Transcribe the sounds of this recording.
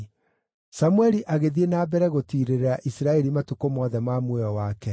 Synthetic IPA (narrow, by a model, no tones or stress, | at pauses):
samuɛɾiʔaɣeðienaːbɛɾɛɣotiɾeɾeɾaʔisɾaɛɾimatukomɔðɛmamwɛɔwaːkɛ